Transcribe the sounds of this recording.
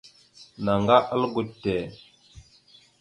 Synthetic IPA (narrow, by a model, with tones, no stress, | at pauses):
na˨ŋɡa˦ʔə˦lɡu˨ttːe˨